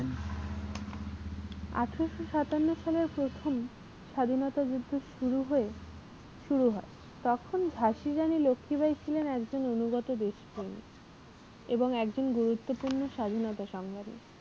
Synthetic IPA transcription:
n | a̰ʈʰɾoʃoʃat̪anːoʃaleɾpɾot̪ʰom | ʃad̪ʱinɔt̪ad͡ʑud̪ʱːoʃuɾuɦoe | ʃuɾuɦɔe | t̪ɔkʰond͡ʑʱaʃid͡ʑanilokʰːibajt͡ɕʰilenɛkd͡ʑononuɡɔt̪od̪eʃpɾemḭ | eboŋɛkd͡ʑonɡuɾut̪ːopuɾnoʃad̪ʱinɔt̪aʃɔŋɡanḭ

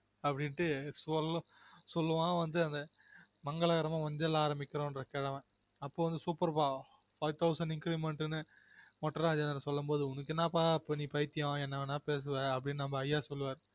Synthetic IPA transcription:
ɐpːɐɽɪnʈːɯsɔlː | sɔlːɯʋãːʋɐnd̪ɯɐnd̪ɐ | mɐŋɡɐɭɐɣɐɾɐmãːkɐɲd͡ʒɐlaːɾɐmbɪkːɪɾõːɪnɾɐkɛɽɐʋẽ | ɐpːoːʋɐnd̪ɯsuːpɐɾpaː | fɐɪt̪ʰɐʊsɐɳɖɪŋkɾiːʋmɛɳʈnɯ | mɔʈːɐɾaːd͡ʒɐnɐɾɐsɔlːɐmboːðɯʊnːɯkːɪnːãːpaːpːɐniːpɐjɪt̪ːɪjõːɛnːɐʋɐnːãːpeːs̬ɯʋɐɐpːɐɽɪnːnɐmːbɐːjːaːsɔlːɯʋaːɾɯ

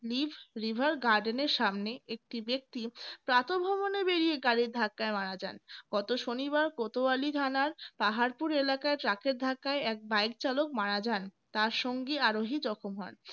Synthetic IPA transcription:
libʱɾibʱaɾɡaɾɖeneɾʃamneʔek̚ʈibek̚t̪ipɾat̪obʱɔbonebeɾieɡaɾiɾd̪ʱakːaemaɾad͡ʑa̰nɡ̥ɔt̪oʃoniβaɾkot̪oalit̪ʰanaɾpaɦaɾpuɾelakaeʈɾakeɾd̪ʱakːaeɛk̚bajk̚t͡ɕalokmaɾad͡ʑan | t̪aɾʃoŋɡiaɾoɦid͡ʑɔkʰomɦɔn

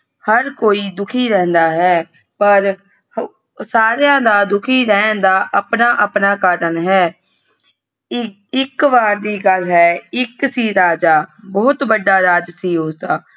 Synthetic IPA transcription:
həɾkoːiːd̪ʊkʰiːɾɛ̃ːnd̪aːɦɛː | pəɾ | saːɾejãːd̪aːd̪ʊkʰiːɾɛːnd̪aːʔəpnaːʔəpnaːkaːɾənɦɛː | ɪkʋaːɾd̪iːɡəlɦɛːɪksiːɾaːd͡ʒaːbɔːt̪bəɖːaːɾaːd͡ʒsiːʊsd̪aː

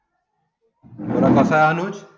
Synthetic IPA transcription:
oɾakʌsaanut͡ʃ

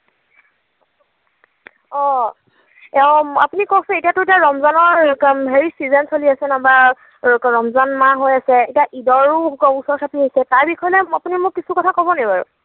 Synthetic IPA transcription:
ɔ | a̰punikɔsɛ̃etijatʊtiaɹɔmzanɔɹɦeɹisizɛnsoliasɛnaba | ɹɔmzanmaɦojasɛetiaʔidɔɹuɔusɔɹsʰapʰiɦojsɛtaɹbixʰɔjɔlɛapunimʊkkisukɔtʰakɔbɔnɛbaɹṵ

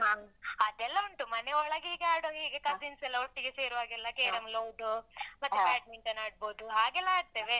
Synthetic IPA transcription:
ɦaːɐd̪ɛlːɐuɳʈumɐneɔɭɐɡiːɡeaːɽoːɦiːɡekɐziːnsɛlːɐɦoʈːiɡese̞ːɾuʋaːɡɛlːɐkeːɾɐmloːwd̪umɐt̪ːukaːʈ̚ʋiɳʈɐnaːɽ̚boːd̪uɦaːɡɛlːɐaːɾt̪eːʋe̞

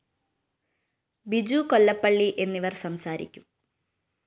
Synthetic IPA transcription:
bid͡ʑuko̞lːɐpːɐɭːiʔe̞nːiʋɐrsɐmsaːɾḭkʲːum

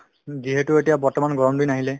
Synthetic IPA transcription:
ziɦɛtʊetijabɔɹtɔmanɡɔɹɔmdujnaɦilɛ

